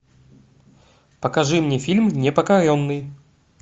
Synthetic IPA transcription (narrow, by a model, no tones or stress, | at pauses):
pɐkaʐɨmnʲefʲilʲmnʲɛpɐkaɾʲonːɨj